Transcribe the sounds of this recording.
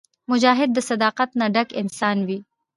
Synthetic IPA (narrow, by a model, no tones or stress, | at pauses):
mʊd͡ʒaːɦɪd̪̚ːəsad̪ɑːqat̪naɖakɪnsɑːnwi